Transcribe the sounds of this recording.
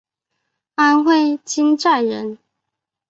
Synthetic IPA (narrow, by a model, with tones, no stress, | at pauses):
a˥nxwe˥˧ɪt͡ɕʰi˥nʈ͡ʂa˥˩ɪɻə˧˥n